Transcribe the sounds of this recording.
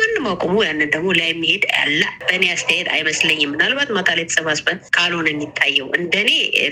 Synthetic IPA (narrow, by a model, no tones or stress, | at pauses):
manːɨmakʼomujanːɨnd̪əɡmo̞lajɛmːihe̞d̪ja̰lːəb̥əneast̪ʰjaed̪a̰jməsləɲːɪmːɨnalbat̪mat̪ʰalejt̪ʰə̥səβasbənkʰalonɨnːit̪ʰːajːɛwʔɨnd̪əne̞